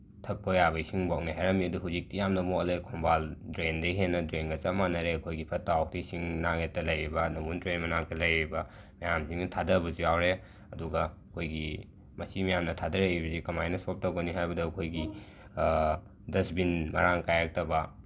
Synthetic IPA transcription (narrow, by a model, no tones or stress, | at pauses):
tʰɐk̚pʰojabɐisiŋbak̚niɦajɾɐmiɐduɦuzik̚tijamnɐmokɐlejkʰɔmbaldɾendɐjɦenːɐdɾenɡɐt͡ʃamanɐɾeɐkʰojɡipʰɐtːawk̚tisiŋnaŋetːɐlɐjɾibɐnɐmuntɾenmɐnaŋtʰɐlɐjɾibɐ | mɐjamsiŋnɐtʰadɐbuzijawɾe | ɐduɡɐɐkʰojɡi | mɐsimɐjamnɐtʰadɐɾeɾibɐsikɐmajnɐsɔp̚tɐwɡɐniɦajbɐduɐkʰojɡi | dɐsbinmɐɾaŋkajak̚tɐbɐ